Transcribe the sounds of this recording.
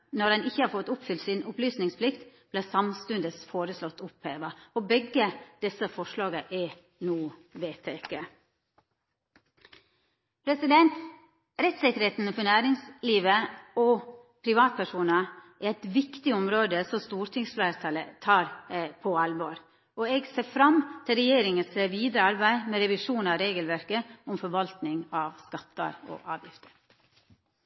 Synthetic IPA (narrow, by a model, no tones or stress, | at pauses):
nɔɾɛnɪçːəhɑːɾfɔt̪ːʊpfʏlt̪sɪnʊplyːsnɪŋspʰlɪkt̪b̥læːsɑmst̪ʉnd̪əsfoːɾəslɔt̪ːʊpheːʋɑɔbɛɡːəd̪̥ɛsəfɔʂlɑːɡəʔɛ | nuːʋeːt̪ʰeːke | pʰɾɛsɪd̪ɛnt̪ | ɾɛt̪sɪkːəɾheːt̪n̩fɔnæːɾɪŋsliːʋəɔ | pʰɾɪʋɑːt̪̚pʰæʂuːnɑʔææɪt̪ʋɪkt̪ɪʊmɾoːd̪əsɔst̪uːɾt̪ʰɪŋsflæːɾt̪ʰɑlə̰t̪ʰɑːɾpʰɔɑlboːɾ | ɔeːɡseːfɾɑmt̪ʰɪlɾɛjeːɾɪŋənsʋiːd̪ɾəɑɾbæɪmeːɾɛʋɪʂuːnɑʋɾeːɡəlʋæɾkəʊmfɔɾʋɑlt̪nɪŋɑːʋskɑt̪ːɑ̰ɾo̰ːʔɑ̰ːʋjɪft̪ə̥ɾ